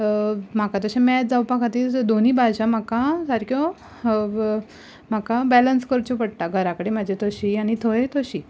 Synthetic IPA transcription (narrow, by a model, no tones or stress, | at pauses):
m̤akat̪əɕãmɛt̪̚d͡zawpakat̪iːd̪on̤iːbaɕãm̤akasaɾkjo | m̤akabɛlənskəɾt͡ɕupəɽt̪aɡʱəɾakəɽemad͡ʑʱet̪ʰoɕiañit̪ʰoet̪ʰoɕi